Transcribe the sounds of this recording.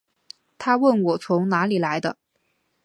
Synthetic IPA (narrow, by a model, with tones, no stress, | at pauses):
t̪ʰa˥wə˥˩nwɔ˨˩t͡sʰʊ˧˥ŋna˧˥li˨˩la˧˥ɪd̪ə˧